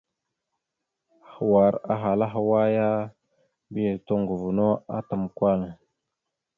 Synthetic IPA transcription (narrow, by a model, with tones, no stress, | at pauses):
xa˨wa˨ɾa̰˨ɦa˨la˦ɦa˨wa˦ja˦ | bi˦je˨to˦ŋɡu˨vu˨no˦a̰˦ta˨m˨kʷa˦˨l